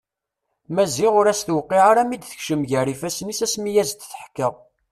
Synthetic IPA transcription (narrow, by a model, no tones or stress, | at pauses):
mæziʁʊɾæsθwqːiʕaɾæmid̪θə̥çʃəmʝərifæsnisæsmijæzt̪θə̥ħkːəʁ